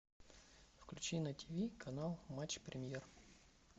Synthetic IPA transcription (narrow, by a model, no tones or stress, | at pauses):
fklʲʉt͡ɕinətʲivʲikʰɐnalˠmat͡ɕpɾʲʔɪmʲjer